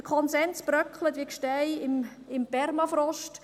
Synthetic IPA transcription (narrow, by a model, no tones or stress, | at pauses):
əkʰɔnsɛnsb̥ɾœkχlət̪ʋikʃtɛɪɪm | ɪmpɛrmɑfɾɔʃt